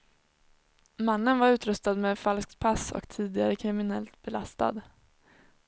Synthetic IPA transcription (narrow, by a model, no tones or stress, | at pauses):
manːənvaɾʉ̟ːt̪ɾɵst̪ad̪mɛfalsk̚t̪̚pʰasɔ̰kt̪ʰiːd̪ɪɡaɾəkʰɾɪmɪnɛlt̪̚bɛlast̪a̰d̪